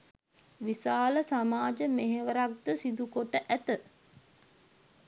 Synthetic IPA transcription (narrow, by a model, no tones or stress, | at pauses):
ʋisaːləsamaːd͡ʒəmeɦeʋəɾak̚d̪əsid̪ukoʈəʔæt̪ə